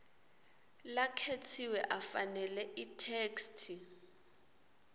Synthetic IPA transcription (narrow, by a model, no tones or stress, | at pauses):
lakʰetʰiwɛʔafanɛlɛʔitʰeːkstʰi